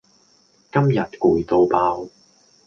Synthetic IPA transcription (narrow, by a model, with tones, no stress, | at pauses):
kɐ˥mjɐ˨t̚kuː˨˩jt̪o˧wpaː˧w